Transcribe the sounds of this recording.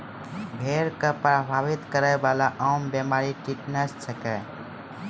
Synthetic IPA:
bʱeɾkəpɾəbʱaʋit̪kəɾəjbalaʔaːmbjemaɾiʈiʈnəssʰəkɛ

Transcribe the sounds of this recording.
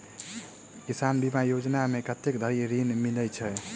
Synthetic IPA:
kisanbimajod͡ʒnamekət̪ːek̚d̪ʱəɾiɾinmilət͡ʃʰə

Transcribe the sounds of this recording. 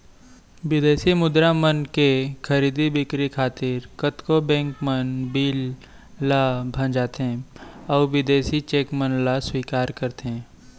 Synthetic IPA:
ʋɪd̪eːsimʊd̪ɾamənkekʰɐɾiːd̪ibɪkɾikʰaːt̪ɪɾkət̪kobɛ̃ːŋkmənbiːlː | abʱə̃nd͡ʒaːt̪ɦɛ̃ɔːʋɪd̪eːsit͡ʃeːkmənlaswiːkaːɾkɐɾt̪eɦɛ̃ː

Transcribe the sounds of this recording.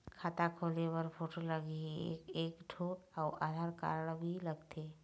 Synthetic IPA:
kʰaːt̪akʰolebəɾpʰoːʈoləɡiḛːkeːkʈʰoaʊʔaːd̪ʱaɾka̰ɾəɳ̃bʱiləɡt̪e

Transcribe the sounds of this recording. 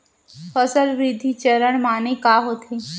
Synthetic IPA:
fəsəlʋɾid̪ʱit͡ʃəɾəɽ̃maːnekaːɦoːt̪ʰeː

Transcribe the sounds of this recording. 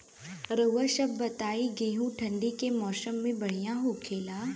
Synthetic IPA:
ɾəʋəʃɐbːɐt̪aːiɡeːɦũʈʰɐ̃ɳɖikemɔːsəmːẽbɐɽ̤ijãɦokʰeːlaː

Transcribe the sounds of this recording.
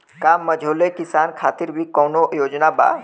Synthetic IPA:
kaːmːɐd͡ʒʱoːlekɪsaːnkʰaːt̪ɪɾbʱikɔːnojoːd͡ʒnaba̰ː

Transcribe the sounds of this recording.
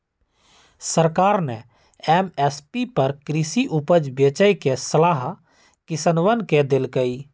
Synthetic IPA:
səɾkaːɾnɛ | ɛmɛspipəɾkɾisiʔupəd͡ʒbet͡ʃəjkesəlaːɦ | kɪsənʋənked̪elkəi

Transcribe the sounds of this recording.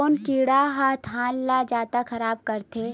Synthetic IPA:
oːnkiːɽaɦaːt̪ʰɦãːllad͡ʒaːt̪axɐɾaːb̚kɐɾt̪eː

